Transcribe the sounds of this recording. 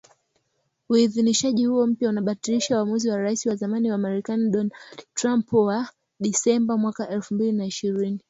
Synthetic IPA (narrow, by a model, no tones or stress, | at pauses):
uiðiniʃaʄihuɔm̩pjaunaɓatiliʃauwamuziwaɾaisiwazamaniwamaɾɛkaniɗɔnadtɾampwa | ɗisɛmbamwakaʔɛlfumbilinaiʃiɾini